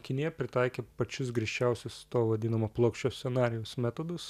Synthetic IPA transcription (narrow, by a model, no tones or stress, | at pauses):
kʲɪnʲɪjɛpʲɾʲɪt̪ɑˑɪkʲeːpɐt͡ʃʲʊs̬ɡɾʲiɛʃʲt͡ʃʲɛʊsʲʊst̪oːʋɐd̪ʲiːnɐmoːplˠoːkʃʲt͡ʃʲoːsʲsʲɛnɑːɾʲɪjɛʊsmʲæːt̪od̪ʊs